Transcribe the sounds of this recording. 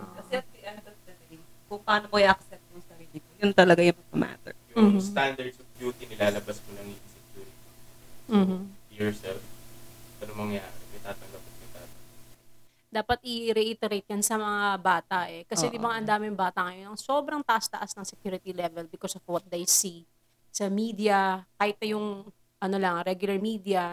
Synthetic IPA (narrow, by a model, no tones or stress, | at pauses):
kɐɛɐt̪̚iʔɐnk̪ɐd̪ɐb̪ɪlikʊŋpɐaːnomoɪʔɐksɛnt̪̚kʊsɐɾiɪjʊnt̪ɐlɐɡajʊŋmɐɡɐma̰t̪ɛ̰ɹjʊmːst̪and̪ɐɹd̪sɔfd͡ʒjuːt̪inɪlaːlɐbaskonɐŋɪsɛkjuːɾɪt̪im̩ːh̩jɔɹsɛlfʔɐnomɐŋɐja̰ːɾɛmɐjt̪aːt̪ɐŋɡɐp̚ɐt̪jʊŋb̪a̰ːt̪ɐ | d̪aːpɐt̪̚ʔɪɾɛʔit̪ɛɾejt̪̚jɐnsɐmɐŋabaːt̪ɐʔɛkɐsɛd̪ɪbɐŋʔɐnd̪aːmɪŋbaːt̪ɐŋɐjonɐŋso̞ːbɾɐŋt̪ɐʔast̪ɐʔasnɐŋsɛkjuːɾɪt̪ilɛvɛlbɪkosɔvwɐt̪̚d̪ɐjsi | sɐmiːd̪iɐkaːhɪt̪̚nɐjʊŋ | ʔɐno̞lɐŋɾɛɡjʊlɐɹmiːd̪iɐ